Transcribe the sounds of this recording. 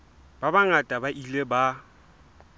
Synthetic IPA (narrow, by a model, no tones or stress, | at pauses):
b̥abaŋatʼabaʔileba